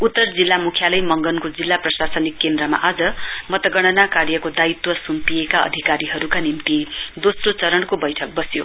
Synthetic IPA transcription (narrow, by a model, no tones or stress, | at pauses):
ut̪ːʌrd͡zilːamukʰjalʌjmʌŋɡʌnkod͡zilːaprʌsasʌnikːend̪rʌma̰ʔad͡zʌmʌt̪ʌɡʌɽ̃ʌnakarjʌkod̪ait̪wʌsumpiekaʌ̰d̪ʱikaɾiɦʌɾukanimt̪id̪osrot͡sʌɾʌɳkobʌjʈʰʌk̚bʌsjo̰